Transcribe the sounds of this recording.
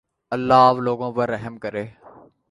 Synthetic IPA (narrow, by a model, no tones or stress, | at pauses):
əlːaːʋloːɡõːpəɾːəɦəmkəɾeː